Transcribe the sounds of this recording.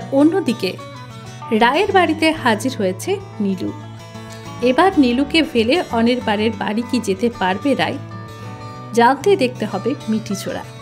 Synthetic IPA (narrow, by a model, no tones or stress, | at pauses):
onːod̪ike | ɾaeɾbaɽit̪ehad͡ʑiɾɦojet͡ɕʰe | nilṵ | ebaɾnilukefeleʔɔneɾbaɾeɾbaɽikid͡ʑet̪epaɾbeɾa̰e | d͡ʑant̪ed̪ek̚ʰt̪eɦɔbemiʈit͡ɕʰo̰ɽa̰